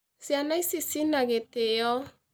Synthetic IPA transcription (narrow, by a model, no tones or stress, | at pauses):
sianaisisinaɡetejɔ